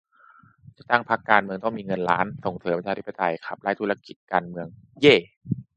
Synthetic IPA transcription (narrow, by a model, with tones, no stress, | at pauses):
t͡ɕa˨˩t̪a˥˩ŋpʰa˦˥kːaː˧nmɯ˧əŋt̪ɔ˥˩ŋmiː˧ŋɤ˧nɾaː˦˥nso˨˩ŋsɤː˩˦mpa˧nt͡ɕʰaː˧t̪ʰi˦˥pːa˧t̪a˧jkʰa˨˩p̚la˦˥˩jt̪ʰuː˦˥ɾa˧ki˨˩t̪̚kaː˧nmɯ˧əŋ | jeː˥˩